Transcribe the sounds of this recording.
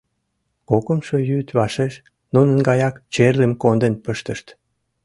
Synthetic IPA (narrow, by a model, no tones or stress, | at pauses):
kokəmʃojyt̪βɑʃeʃ | nunə̆nɡɑjɑkt͡ɕerlemkond̪ənpəʃt̪əʃt̪